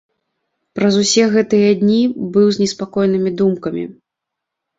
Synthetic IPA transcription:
pɾɐzusʲɛɣɛt̪ɨjɐd̪ʲnʲibɨwzʲnʲɛspakɔjnɨmʲid̪umkɐmʲḭ

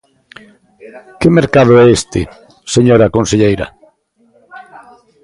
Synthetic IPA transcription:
kɪmeɾkaðʊɛest̪ɪ | seɲoɾakõnseʎejɾɐ̰

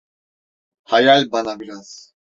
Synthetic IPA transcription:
hajalʲbanabiɾaz̥

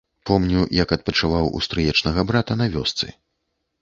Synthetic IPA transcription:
pɔmnʲujɐkɐt̪̚pɐt͡ʂɨvawṵst̪ɾɨjɛt͡ʂnɐɣɐbɾat̪ɐnɐvʲɔst̪sɨ̰

